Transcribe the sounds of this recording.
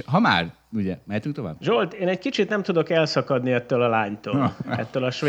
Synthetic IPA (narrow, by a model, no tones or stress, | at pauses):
ɦɒma̰ːr | uɟɛmɛːt̪yŋt̪ova̰ːbʒolt̪eːnɛckit͡ʃit̪nɛmt̪ud̪o̞kɛlsɒkɒd̪niɛt̪ːøːlɒlaːɲt̪oːɛ̰t̪ːøːlɒʃʋe